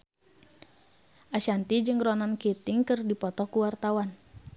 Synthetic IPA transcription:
ʔaʃant̪id͡ʒɨŋrɔnankit̪ɪŋkɨrdipɔt̪ɔkuwart̪awan

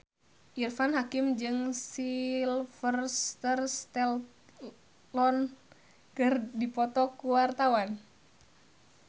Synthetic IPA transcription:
ʔirfanɦakimd͡ʒɨŋsilfərst̪ərst̪ɛl | lɔn | kɨrdipɔt̪ɔkuwart̪awan

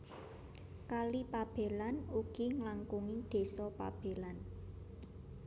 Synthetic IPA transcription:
kalipab̥e̤lanuɡ̥i̤ŋlaŋkuŋid̪̥e̤sɔpa̰b̥e̤lan

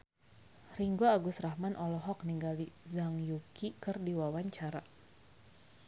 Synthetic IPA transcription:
riŋɡoaɡʊsɾahmanʔɔlɔɦɔk̚niŋɡalizaŋjukikərdiwawaɲt͡ʃaɾa

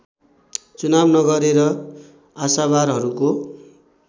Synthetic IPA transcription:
t͡sunabnʌɡʌɾeɾʌ | asaβaɾɦʌɾuko

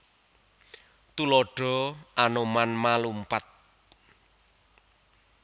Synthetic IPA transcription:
t̪ulɔɖ̥ɔ̤ʔanomanmalumpat̪̚

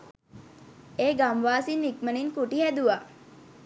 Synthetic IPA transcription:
eːɡamʋaːsinikməniŋkuʈiɦæd̪uʋa

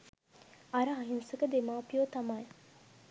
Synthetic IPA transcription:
ɐɾəaɦinsəkəd̪emaːpijoːt̪ɐmaj

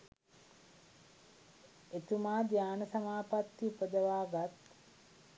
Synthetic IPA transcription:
et̪umaːd̪jaːnəsamaːpat̪ːipəd̪əʋaːɡat̪

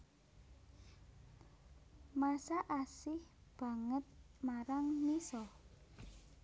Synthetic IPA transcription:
masaʔasɪhb̥ä̤ŋət̪̚maɾaŋmisɔ

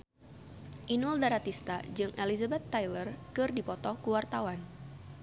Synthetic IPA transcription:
ʔinuldaɾat̪ist̪ad͡ʒɨŋʔelizabɛt̪ːajlərkɨrdipɔt̪ɔkuwart̪awan

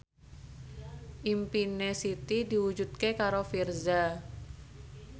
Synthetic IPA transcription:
ʔimpinesit̪idiwud͡ʒut̪̚kekaɾofirza

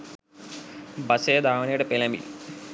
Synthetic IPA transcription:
bɐsejɐd̪aːʋɐnɐjuɽepelɐmḭl

